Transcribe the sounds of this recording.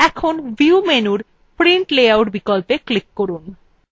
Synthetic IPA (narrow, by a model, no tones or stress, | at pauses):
ɛkʰonbiumenuɾ | pɾiɳʈleawʈbikɔlpeklikːoɾun